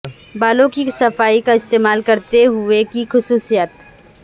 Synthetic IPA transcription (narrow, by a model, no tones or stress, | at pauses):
baːlõkisɐfaːikaɪst̪eːmaːlkɐɾt̪eɦʊekixʊsuːsijət̪